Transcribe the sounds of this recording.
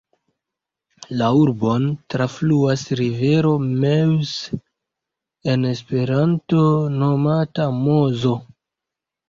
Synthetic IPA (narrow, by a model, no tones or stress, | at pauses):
lauɾbo̞ntɾafluasɾive̞ɾo̞mews | e̞nespe̞ɾanto̞no̞matamozo̞